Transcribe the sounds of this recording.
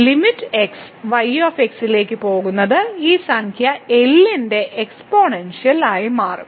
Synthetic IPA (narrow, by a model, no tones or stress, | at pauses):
limitːeks | ʋɐjoːfeksile̞ːkʲːɨpo̞ːɣunːɐðɨiːsɐŋkʰjɐe̞lːinde̞ʔekspoːɳenʂjɐlaːjimaːrum